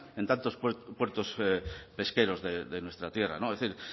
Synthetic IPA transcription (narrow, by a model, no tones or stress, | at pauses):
e̞nt̪ant̪osppweɾt̪ospe̞ske̞ɾozðeðenwe̞st̪ɾat̪je̞ra̰noeθiɾ